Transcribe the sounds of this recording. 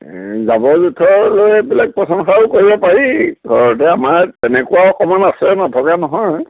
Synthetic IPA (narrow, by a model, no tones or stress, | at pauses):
zabɔzutʰɔlojɛbilaɡ̚pɹɔsɔnxaʊkoɹibɔpaɹiɡʱɔɹɔt̬ɛamaɹtɛnɛkuaɔkɔmɔnasɛnatʰɔkanɔɦɔj